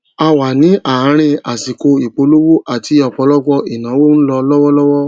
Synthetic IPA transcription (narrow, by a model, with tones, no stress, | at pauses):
a˧wa˨nĩ˨˦ʔa˨˦ɾ̃ĩ˧a˨si˨ko˧i˨k͡po˨˧˦lo˦wu˦ʔa˨ti˧˦ɔ˨k͡pɔ˨˧˦lɔ˦ɡɔ˦i˨nãː˨˦wo˦n̩˦lɔ˧lɔ˦wɔ˦lɔ˦wɔ˦